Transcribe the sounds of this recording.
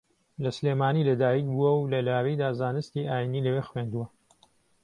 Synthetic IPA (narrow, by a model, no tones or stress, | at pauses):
lɐsleːmaːniːlɐd̪aːjikbuwɐwlɐlaːɾijd̪aːzaːnɨst̪iʔaːjiniːlɐweːxwend̪uwɐ